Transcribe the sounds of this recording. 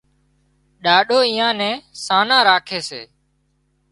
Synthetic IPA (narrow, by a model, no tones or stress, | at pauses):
ɗaːɗoːĩːãːnɛ̃ːsaːnãːɾaːkʰeːsḛː